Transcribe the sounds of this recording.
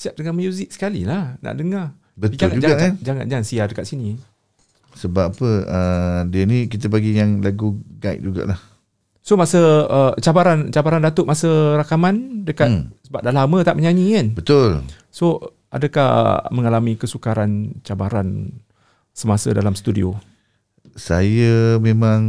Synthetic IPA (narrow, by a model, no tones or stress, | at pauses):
siap̚dəŋaməjuzɪk̚sə̥kalḭlahna̰ʔdəŋa | bətd͡ʒ̪aad͡ʒud͡ʒɡakand͡ʒaŋa̰nd͡ʒaŋansiadəkat̪̚sini | səbapəədiənikit̪əpaɡijaŋlaɡuɡaḭt̪̚d͡ʒuɡa̰ʔlah | somasəət͡ʃabaɾant͡ʃabaɾandat̪ʊʔmasəɾakamandəkasəbap̚dalamə̃t̪aʔməɲaɲĩkanbət̪ʊl | so | ʔa̰dəkahməŋalamikəsukaɾant͡ʃabaɾan | səmasə̰dalamst̪udḭo̰ | sajamemãŋ